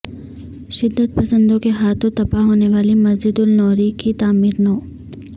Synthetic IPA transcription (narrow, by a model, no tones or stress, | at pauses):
ʃɪd̪ːət̪̚pɐsə̃nd̪õkeɦaːt̪ʰõt̪ɐpaɦoːneʋaːlimɐzd͡ʒɪd̪ʊlnɔːɾikit̪aːmiːɾnoː